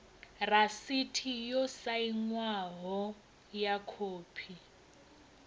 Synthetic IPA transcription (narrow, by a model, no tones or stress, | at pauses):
rasitʰijɔsaiŋwaɦɔ | jakʰoːpʰi